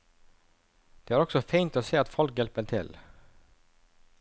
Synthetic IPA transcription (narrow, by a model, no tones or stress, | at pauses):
d̪̥eːæːɾɔksɔfeɪnt̪oːseːɑt̪fɔlkjɛlpəʈ̪ʰɪl